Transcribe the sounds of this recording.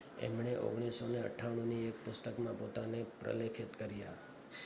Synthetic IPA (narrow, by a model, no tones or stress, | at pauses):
ɛ̰mɳeʔo̰ɡɽ̃isoneə̰ʈʰːaʋɳ̃ũniek̚pʊst̪əkmãpot̪anepɾə̰lekʰɪt̪kəɾja